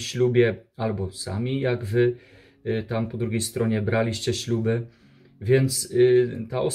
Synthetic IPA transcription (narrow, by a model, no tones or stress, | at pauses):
ɕlubʲjɛalbɔsa̰mʲijaɡvɘ | t̪ampɔd̪ɾuɡʲejst̪ɾɔɲɛbɾalʲiɕt͡ɕɛɕlubɘ | vʲjɛnt̪st̪aʔɔs